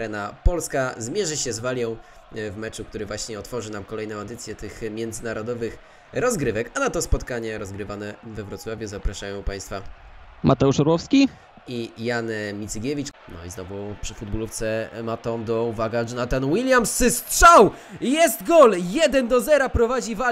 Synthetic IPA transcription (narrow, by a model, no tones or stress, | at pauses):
ɾɛnapɔlskazmʲjɛʐɘɕɛzvalʲjɔ̃w̃ | vmɛt͡ʂuk̚t̪uɾɘvwaɕɲɛɔt̪fɔʐɘnamkɔlɛjnɔ̃ɛd̪ɘt̪sʲjɛt̪ɘxmʲjɛnd̪zɘnaɾɔd̪ɔvɘx | ɾɔzɡɾɘvɛkanat̪ɔspɔt̪kaɲɛɾɔzɡɾɘvanɛvɛvɾɔt̪swavʲjuzapɾaʂajɔ̃w̃paj̃st̪fa | mʔat̪ɛuʂɔɾwɔfskʲi | ijanmʲit̪sɡʲevʲit͡ʂnɔ̰ḭznɔvupʂɘ̥fud̪̚buluft̪sɛmat̪ɔd̪ɔuvaɡaʐɔnat̪anuwilʲjamsst̪ʂaw | jɛst̪ɡɔljɛd̪ɛnd̪ɔzɛɾapɾɔvad͡ʑiva